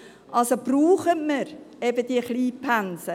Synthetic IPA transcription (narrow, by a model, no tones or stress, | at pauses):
ʔɑlsob̥ruːχətməɾ | ɛbəd̥̪iəχliːpʰansə